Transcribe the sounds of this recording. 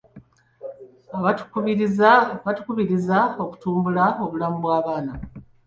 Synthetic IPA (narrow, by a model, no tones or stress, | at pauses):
aatu̥kuβiizβatu̥kuβiɾizao̞ku̥tuːmbulao̞βulamuβwaːβaːna